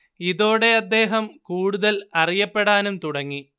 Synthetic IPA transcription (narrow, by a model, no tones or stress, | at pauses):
iðo̞ːɽe̞ɐd̪ːe̞ːɦɐmkuːɽuðɐlɐrijɐpːe̞ɽaːnumt̪uɽɐŋːi